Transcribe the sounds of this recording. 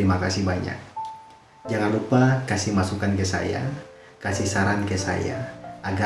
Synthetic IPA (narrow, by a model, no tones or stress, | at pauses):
ɾimakasihbaɲa̰k̚ | d͡ʒaŋanlupakasihmasukankɛsa̰ja̰ | kasihsaɾankɛsa̰ja̰ʔaɡa